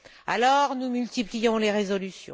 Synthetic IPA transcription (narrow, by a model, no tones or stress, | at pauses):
alɔʁnumylt̪iplijɔ̃leʁezɔlysjɔ̰̃